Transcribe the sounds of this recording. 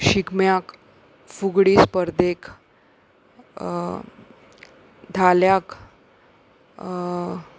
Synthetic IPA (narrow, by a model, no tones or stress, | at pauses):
ɕikmjak | fuɡɽiːspəɾd̪ek | d̪ʱaljak